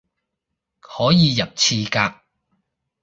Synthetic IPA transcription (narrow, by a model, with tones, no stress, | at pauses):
hɔː˨˥jiː˨˧jɐ˨p̚t͡sʰiː˧kaː˧k̚